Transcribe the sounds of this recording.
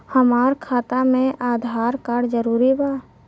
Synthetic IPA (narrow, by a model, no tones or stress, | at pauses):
həmaːɾkʰaːt̪amẽʔaːd̪ʱaːɾkaːɽd͡ʒəɾuːɾibaː